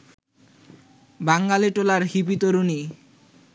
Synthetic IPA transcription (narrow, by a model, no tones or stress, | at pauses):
baŋɡaleʈolaɾhipit̪oɾuni